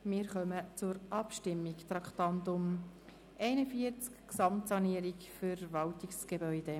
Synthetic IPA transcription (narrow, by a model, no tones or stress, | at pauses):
mɪːɾχœmət͡sʊɾʔɑpʃtɪmːikt̪ɾɑkχt̪ɑnt̪ʊm | ʔɛɪnəfiəɾt͡skksɑmtsɑniːəɾikfəɾvɑltiksɡ̥ebœʏde